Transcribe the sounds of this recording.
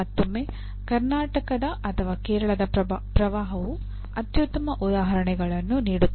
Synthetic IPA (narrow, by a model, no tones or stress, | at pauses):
ɐt̪ːumːe | kɐɾnaːʈɐkɐd̪ɐʔɐt̪ʰɐʋaːkeːɾɐɭɐd̪ɐpɾɐʋaːɦɐʋu | ɐt̪jut̪ːɐmɐʔud̪aːɦɐɾɐɳɛɡɐɭɐnːuniːɽut̪ː